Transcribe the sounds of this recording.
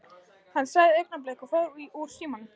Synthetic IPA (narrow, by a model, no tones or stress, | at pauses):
hanːsaɣðɪejk̚naplehkɔfaɾiuɾ̥siːman